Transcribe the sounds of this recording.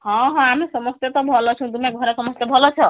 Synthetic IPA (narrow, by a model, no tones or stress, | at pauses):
hɔ̃ɦɔ̃amesəməst̪jet̪ɔbʱɔlɔt͡ʃʰũt̪umeɡʱɔɾesəməst̪jebʱɔlɔt͡ʃʰʌ